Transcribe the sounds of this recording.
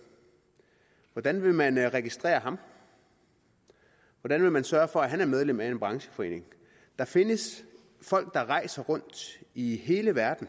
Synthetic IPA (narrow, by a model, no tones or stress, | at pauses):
ʋɒd̥ænʋe̝mænʁɛɡ̥isd̥ʁɛ̰ːɐɦɑ̈m | ʋɒd̥ænʋe̝mænsɶːɐfɒ̽æɦænæɐmeð̞ˠlem̰æe̝nb̥ʁɑ̈ŋɕə̥fɒ̽e̝̰ːne̝ŋ | d̥ɑ̈fe̝nəs | fɒ̽l̰ɡ̥̚d̥ɑ̈ʁɑ̈ɪ̰sɐʁɔ̽n̰d̥iɦe̝ːləʋæɐd̥n̩